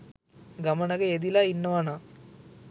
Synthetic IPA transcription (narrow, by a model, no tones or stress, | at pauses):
ɡamənəɡəed̪ilainːəʋana